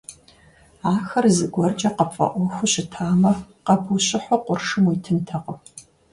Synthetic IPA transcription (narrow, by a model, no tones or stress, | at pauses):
aːxɐrzɨɡʷɔrd͡ʒʼɐqɐpfʼɐ̰ʔʷɔxʷʊɕɪtʰaːmɐ | qɐbʰuɕʼɪħʷɔqʷʊrʂɨmwijtʰɨntʰɐqɐ